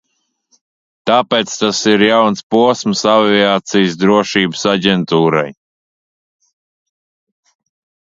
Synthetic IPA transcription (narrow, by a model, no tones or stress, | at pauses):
t̪aːpeːt̪st̪asiɾjawnspuɔsməsaviaːt̪sijsd̪ɾuɔʃiːbəsaɟʲɛnt̪uːɾa̰j